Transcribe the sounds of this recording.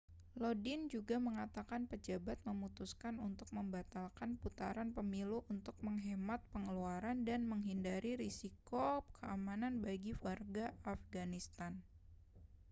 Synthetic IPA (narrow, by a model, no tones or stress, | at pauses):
lodind͡ʒuɡaməŋat̪akanpəd͡ʒabat̪̚məmut̪uskanunt̪ʊk̚məmbat̪alkanput̪a̰ɾanpəmiluʔunt̪ʊk̚məŋɦɛmat̪̚pəŋəluaɾandanməŋɦindaɾiɾisikokʰəʔamananbaɡifarɡaafɡanist̪an